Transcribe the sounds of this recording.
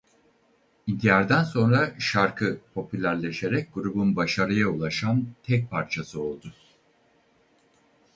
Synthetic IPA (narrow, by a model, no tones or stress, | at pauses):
id̪ijaɾd̪ænso̞nɾaʃaɾkʰɯpʰo̞pylʲæɾlʲe̞ʃe̞ɾɛc̚ɡuɾubunbaʃaɾɯjaulˠaʃamt̪ʰɛc̚pʰaɾt͡ʃʰasɯo̞lˠd̪ʊ